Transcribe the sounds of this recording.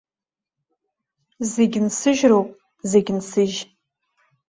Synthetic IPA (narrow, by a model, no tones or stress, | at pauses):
zeɡʲnsɨʒrowpʼ | zeɡʲnsɨʒ